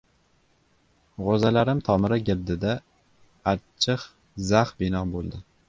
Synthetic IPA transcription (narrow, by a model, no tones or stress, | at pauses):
ʁozalaɾɪmt̪ʰɒmɪɾaɡʲɪld̪ɪd̪a | at͡ʃʰːɪχ | zaχbɪnɒbolˠd̪ɪ